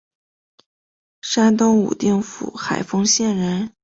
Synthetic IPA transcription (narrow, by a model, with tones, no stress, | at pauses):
ʂa˥nt̪ʊ˥ŋṵ˨˩t̪i˥˩ŋfṵ˨˩xa˨˩ɪfɤ˥ŋɕjɛ˥˩nɻə˧˥n